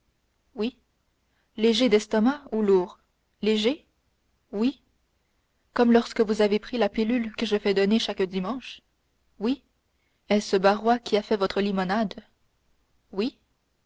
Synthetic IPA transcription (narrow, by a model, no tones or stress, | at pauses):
wi | leʒed̪ɛst̪ɔmauluːʁ | leʒe | wi | kɔmlɔʁskəvuzavepχilapilylkəʒəfɛd̪ɔneʃakd̪imɑ̃ʃ | wi | ɛsəbaʁwakʲʰiafɛvɔt̪χəlimɔnad̪ | wi